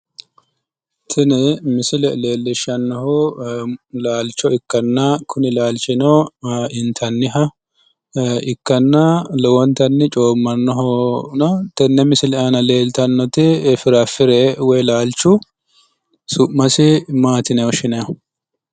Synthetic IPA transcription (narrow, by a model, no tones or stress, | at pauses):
t̪ʰɪnɛmɪsɪlɛle̞ːlːɪʃɐnːɔɦɔ | laːlt͡ʃːɔɪkːɐnːɐkʰʊnɪlaːlt͡ʃːɪnɔɪnt̪ʰɐnːɪɦɐ | ɪkːɐnːɐlɔwɔnt̪ɐnːɪt͡ʃʼo̞ːmːɐnːɔɦɔnɐt̪ɛnːɛmɪsɪlɛʔɐnɐle̞ːlt̪ɐnːɔt̪ɪɛfɪɾɐfɪɾɛwɔjlaːlt͡ʃːʊ | sʊʔmɐsɪmaːt̪ɪnɛɔʃɪnɐjɐ